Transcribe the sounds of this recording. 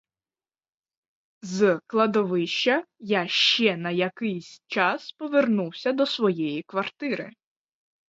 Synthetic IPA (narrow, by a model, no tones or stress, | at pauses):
zklˠɐd̪ɔʋɪʃt͡ʃɐjaʃt͡ʃɛnɐjɐkɪjsʲt͡ʃɑspɔʋernuwsʲɐd̪ɔsʋɔjɛjikʋɐrt̪ɪɾɪ̰